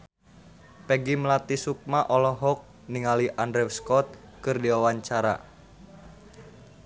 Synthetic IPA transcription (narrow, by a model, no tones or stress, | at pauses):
pɛɡimlat̪isuk̚maʔɔlɔɦɔk̚ | niŋaliʔandɾɛwskɔt̪̚ | kɨrdiwawaɲt͡ʃaɾa̰